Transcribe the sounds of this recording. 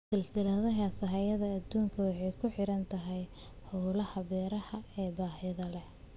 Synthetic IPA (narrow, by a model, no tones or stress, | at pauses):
sɪlsɪlɐðɐɦasɐɦɐjɐðɐːd̪uːŋkʰɐwɑħɑjkʰʊħɪɾɐnt̪ʰɐɦɛj | ħɔːlɐhɐbɛːɾɐhɐɛːbaːɦɪðɐlɛ